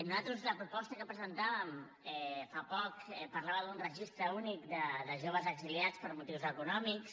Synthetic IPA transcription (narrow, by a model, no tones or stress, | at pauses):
nuzat̪ɾuzləpɾupɔst̪əkəpɾəzənt̪aβəm | ɛfapɔkɛpəɾlaβəd̪unrəʒist̪ɾəunikd̪əðəʒoβ̞əzəɡziliat͡spəɾmut̪iwzəkunɔmiks